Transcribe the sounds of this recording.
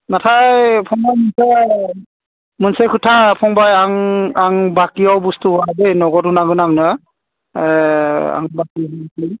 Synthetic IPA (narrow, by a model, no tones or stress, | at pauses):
natʰajpʰɔŋbajmɯnsa | mɯnsakʰɯtʰapʰɔŋbajaŋaŋbakiawbɔstuɦadejnɔɡɔtunaɡɯnaŋnɯ | a̰ŋbakiɦki